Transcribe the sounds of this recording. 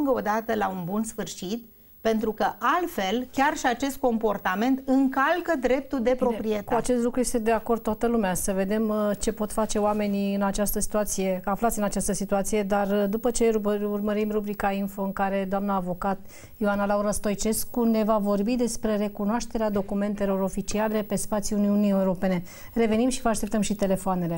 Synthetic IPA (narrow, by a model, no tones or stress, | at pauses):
ŋɡəo̞d̪at̪əlaunbunsfɨrʃit̪̚ | pe̞nt̪ɾukəʔalfe̞lkʲarʃiat͡ʃe̞st̪̚ko̞mpo̞rt̪ame̞nt̪ɨŋkalkəd̪ɾe̞p̚t̪uld̪e̞pɾo̞pɾiet̪kauat͡ʃest̪lukɾuje̞st̪e̞d̪e̞ako̞rd̪̚t̪oat̪əlumeasəve̞d̪e̞mt͡ʃe̞po̞t̪fat͡ʃe̞oame̞niɨnat͡ʃast̪əsi̥t̪uat̪sije̞aflat̪sʲɨnat͡ʃast̪əsit̪uat̪sije̞d̪ard̪upət͡ʃe̞ɾubəurməɾimrubɾikainfo̞ɨŋkaɾe̞d̪oamnaːvo̞kat̪ | ioanalauɾast̪o̞jt͡ʃe̞skune̞vavo̞rbid̪e̞spɾe̞re̞kunoaʃt̪e̞ɾead̪o̞kume̞nt̪e̞lo̞ɾo̞fit͡ʃiale̞pe̞spat̪sʲjuuniunijeuɾo̞pe̞ne̞ | re̞ve̞nimʃivəaʃt̪e̞p̚t̪əmʃit̪e̞le̞foane̞le̞